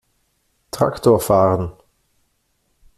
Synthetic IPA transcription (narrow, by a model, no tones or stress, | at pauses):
tʁ̥a̰ktoːʁfaːʁən